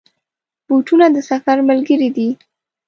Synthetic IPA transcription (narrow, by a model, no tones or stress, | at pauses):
b̥oʈunad̪əsafaɾməlɡəɾid̪i